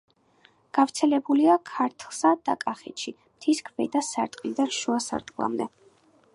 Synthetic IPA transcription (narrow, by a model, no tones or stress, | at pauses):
ɡ̥avt̪sʰɛlɛbuliakʰaɾt̪ʰlˠsad̪̥akʼaχɛ̰t̪ʃʰi | mt̪ʰiskʰvɛ̰d̪asaɾt̪ʼqʼlid̪aɾʃuasa̰ɾt̪ʼqʼlˠa̰md̪ɛ